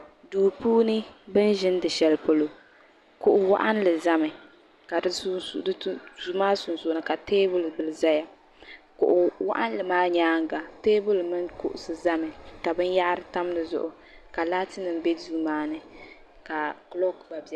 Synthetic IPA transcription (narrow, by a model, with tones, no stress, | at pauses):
duː˨puː˦nɨ˦bɨ˦nʒɪ˦ndɨ˨ʃɛ˨lpo˨lo˨ | kʊ˨ʔʊ˨wa̰˦ʔa˦n˦lɨ˨za˦mɨ˨ | ka˨dɨ˦˨˦zu˦maː˦sʊ˨nsʊ˨ʔʊ˨nɨ˨ka˨teː˦bʊ˦lbɨ˨lɨ˨za˦ja˨ | kʊ̰˨ʔʊ˨wa̰˦ʔa˦n˦lɨ˨maː˦ɲaː˦ŋ˦ɡa˨teː˦bʊ˦lmɨ˦nkʊ̰˦ʔʊ˨sɨ˨za˦mɨ˨ka˨bɨ˦nja˦ʔɾɨ˦ta˦m˦nɨ˨zʊ̰˦ʔʊ˨ | ka˨laː˦tɨ˦nɨ˨m˦bɛ˦zuː˦maː˦nɨ˦ | ka˨klɔ˦kba˨bi˨ɛ˦